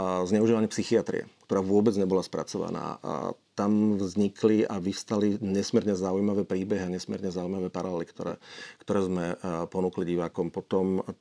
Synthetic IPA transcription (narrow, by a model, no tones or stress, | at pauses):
zɲɛʊuʒiːʋaɲɪɛpsixiat̪ɾḭɛ̰kt̪ɔɾaːʋʊɔbɛd͡zɲɛbɔlaspɾa̰t͡sɔʋa̰na̰ːt̪amvzɲikʰliaʋist̪aliɲɛsmɪɛɾɲɛzaujmaʋɛːpɾiːbɛɦiaɲɛsmɪɛ̰ɾɲɛzaujmaʋɛːpaɾalɛlikt̪ɔ̰ɾɛ̰ːkt̪ɔɾɛːzmɛpɔnuːkliɟiʋaːkɔmpɔt̪ɔm